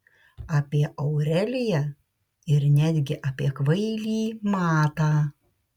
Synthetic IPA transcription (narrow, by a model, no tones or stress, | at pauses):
ɑːpʲiɛʔɐʊɾʲɛlʲɪjɛ | ɪɾnʲæːd̪ʲɡʲɪʔaːpʲiɛkʋɐɪlʲiːmɑːt̪ɑː